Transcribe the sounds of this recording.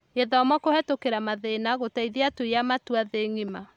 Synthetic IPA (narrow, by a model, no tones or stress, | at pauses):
eðaɔmɔkohɛtokeɾamaðenaɣotaiðeatoiamatuaðeŋima